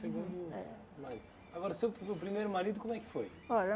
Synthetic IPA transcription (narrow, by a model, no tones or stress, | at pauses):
sɨɣũnd̪uɛ̰ | mɐɾiðu | ɐɣɔɾɐseupɾimejɾumɐɾiðukomwɛkfoj | ɔʎɐ